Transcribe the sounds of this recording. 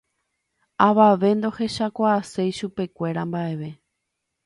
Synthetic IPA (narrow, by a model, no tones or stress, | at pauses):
aʋaʋe̞nd̪o̞he̞ʃakʷaːse̞jʃupe̞kʷe̞ɾambae̞ʋe̞